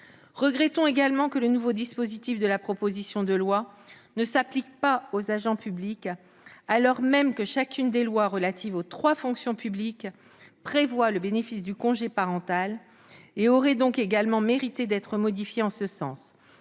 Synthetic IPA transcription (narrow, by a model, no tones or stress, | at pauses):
ʁəɡʁɛt̪ɔ̃eɡalmɑ̃kələnuvod̪ispozit̪ifd̪əlapχɔpozisjɔ̃d̪əlwa | nəsaplik̚paozaʒɑ̃pyblik | alɔʁmɛmkəʃakʰʲynd̪elwaʁəlat̪ivot̪χwafɔ̃ksjɔ̃pyblik | pχevwaləbenefisd̪ykɔ̃ʒepaʁɑ̃t̪al | eɔʁɛd̪ɔ̃keɡalmɑ̃meʁit̪ed̪ɛt̪χəmɔd̪ifjeɑ̃səsɑ̰̃s